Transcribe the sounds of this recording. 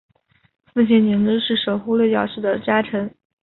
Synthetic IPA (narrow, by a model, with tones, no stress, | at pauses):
fu˥˧ɕ̬jɛ˥˩nni˧˥ŋʈ͡ʂ̩˥ʂɻ̩˥˩ʂo˨˩ʊxu˥lwɛ˥˧˩t͡ɕjɑ˨˩ʊʂɻ̩˥˩d̪ə˩t͡ɕja˥ʈ͡ʂʰɤ˧˥n